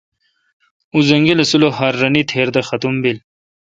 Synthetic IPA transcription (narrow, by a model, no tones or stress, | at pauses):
uzɐŋɡilɐsulohɐɾːɐnit̪ʰeːɾd̪ɐxɐt̪umbil